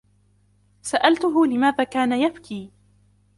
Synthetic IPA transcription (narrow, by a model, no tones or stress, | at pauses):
saʔalt̪ʊɦʊlɪmaːðaːkaːnajabkʰiː